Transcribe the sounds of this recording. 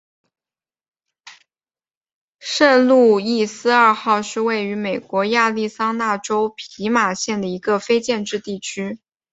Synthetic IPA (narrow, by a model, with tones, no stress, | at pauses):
ʂə˥˧nlu˥˧i˥˩sɹ̩˥˧ɐ˞˥˧xɑ˥˧ʊʂɻ̩˥˧we˥˩ɪy˧˥me˨˩ɪkwɔ˧˥ja˥˧li˥˩sɑ˥ŋna˥˩ʈ͡ʂo˥ʊpʰi˧˥ma˨˩ɕjɛ˥˩nd̪ə˩i˧˥ɡə˧fe˥ɪt͡ɕjɛ˥˧nʈ͡ʂɻ̩˥˧t̪i˥˩t͡ɕʰy˥